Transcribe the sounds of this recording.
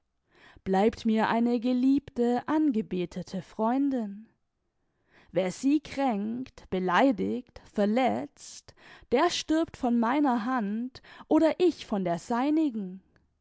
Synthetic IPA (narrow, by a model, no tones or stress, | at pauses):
b̥laɪptmiːɐʔa̰ɪnəɡəliːptəʔanɡəbeːtʰətʰəfʁ̥ɔʏndɪn | veːɐz̥iːkʁ̥ɛŋkktb̥əlaɪdɪçtfɛɐɐlɛt͡std̥eːɐʃtɪɐptfɔnmaɪnɐɦantʔoːɾɐʔɪçfɔndeːɐzaɪnɪɡŋ̩